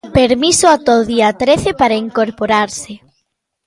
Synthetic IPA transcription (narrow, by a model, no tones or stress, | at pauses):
peɾmisoat̪ɔðiat̪ɾeθepaɾaiŋkoɾpoɾaɾsɪ